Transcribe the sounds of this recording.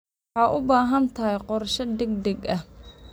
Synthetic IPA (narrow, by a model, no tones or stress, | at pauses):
ħɑːʔʊbaːɦɐnt̪ʰɐɦɐjqɔrʃɐd̪ɛɡ̚d̪ɛɡɐh